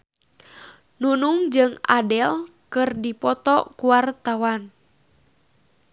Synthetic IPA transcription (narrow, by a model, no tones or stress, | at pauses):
nunuŋd͡ʒɨŋa̰dɛl | kɨrdipɔt̪ɔkuwart̪awan